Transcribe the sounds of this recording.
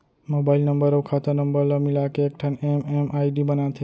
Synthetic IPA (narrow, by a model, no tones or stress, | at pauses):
mobaɪlnəmbəɾəwkʰat̪ənəmbəɾləmilakeːk̚ʈʰanememajɖibənat̪ʰe